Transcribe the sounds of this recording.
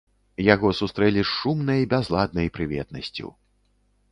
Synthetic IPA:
jaɣɔsust̪ɾɛlʲiʂumnɐjbʲazlˠad̪̚nɐjpɾɨvʲɛ̰t̪̚nɐsʲt͡sʲṵ

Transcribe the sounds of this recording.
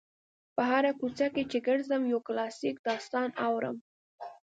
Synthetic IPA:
pəɦaɾakut͡ʃaket͡ʃeɡəɽzəmjowklɑsik̚d̪ɑst̪ɑnawɾə̰m

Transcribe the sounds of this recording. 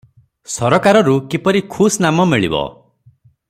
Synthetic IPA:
sɔɾɔkaɾɔɾukipɔɾikʰusnamɔmiɭḭbɔ̰

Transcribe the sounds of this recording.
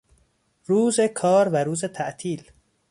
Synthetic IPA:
ɾuːzekʰɒːɾvæɾuːzet̪ʰæʔt̪ʰiːl

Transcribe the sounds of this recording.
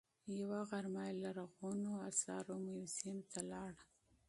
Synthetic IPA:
jawaɣaɾmɑjlaɾaɣonoasɑ̰ɾomajsimt̪ʰalɑɽ

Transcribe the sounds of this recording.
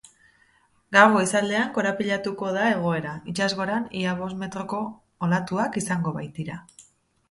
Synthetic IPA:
ɡawɣo̞isale̞aŋko̞ɾapiʎat̪uko̞ðae̞ɣ̞o̞e̞ɾait͡ʃazɣo̞ɾaniaβ̞o̞sme̞t̪ɾo̞ko̞ː | lat̪uakisaŋɡo̞βajt̪iɾa

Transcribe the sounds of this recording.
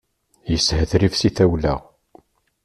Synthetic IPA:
jəsːhəθɾifsiθæwlæ̰ʁ

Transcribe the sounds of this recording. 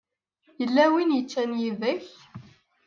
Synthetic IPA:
jəlːæwinjət͡ʃːænjivəç

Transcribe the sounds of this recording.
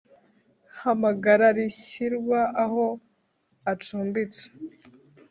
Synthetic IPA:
hamaɡaɾaɾiçiɾwaʔaho | at͡ʃuːmbit͡se̥

